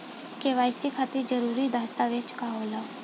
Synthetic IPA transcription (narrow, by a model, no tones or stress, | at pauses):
keʋaːjsikʰat̪id͡ʒəɾuːɾiːd̪ʱaːst̪aːʋɪt͡ʃkaːɦoːlaː